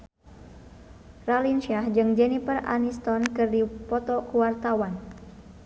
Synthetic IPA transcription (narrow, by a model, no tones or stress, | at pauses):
ralinʃiahd͡ʒɨŋd͡ʒɛnipəra̰nist̪ɔnkɨrdipɔt̪ɔkuwart̪awan